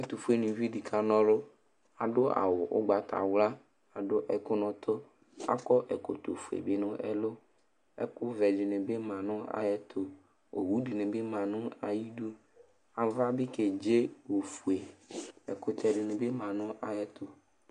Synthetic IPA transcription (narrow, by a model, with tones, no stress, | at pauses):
ɛ˦t̪u˨fu˦e˦nĩ˨vi˦di˨kʰa˦nɔ̃˦lʊ˦ | a˨ɖʊ˦a̰˨wʊ˨ʔʊ̰˦ɡ͡ba˨t̪a̰˨wla˦ | a˨ɖʊ˦ʔɛ˨kʊ˦nɔ̃˨t̪ʰʊ˦ | a̰˦kɔ˦ʔɛ˨ko˨t̪o̰˨fu˨ḛ˨bɪ˦nʊ̃˦ʔɛ̰˨lʊ˦ | ɛ̰˦kʊ˦vɛ˨ɖɪ˨nɛ̃˨be˦mã˨nʊ̃˦a̰˨jɛ˨t̪ʰo˨ | o̰˨wu˨˦di˨nẽ˨be˦mã˨nʊ̃˦a̰˨ji˦do˦ | a˨va˦bɪ˦ke˨d͡ʒe˦wo˨fu˨e˨ɛ˨kʊ˨t̪ɛ˨ɖɪ˨nʊ̃˨be˦mã˨nʊ̃˦ʔa˨jɛ˨t̪o˨